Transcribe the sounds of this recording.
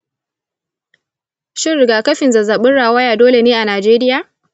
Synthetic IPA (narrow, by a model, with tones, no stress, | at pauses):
ʃɪː˦ɪ˨ɡaː˨kɐ˦ɸɪ˨nzɐ˨za˨ɓʊ˦nɽaː˨wɐ˦jaː˨doː˦le˨neː˦ʔa˨naː˨d͡ʒeː˦ɾɪ˦jaː˨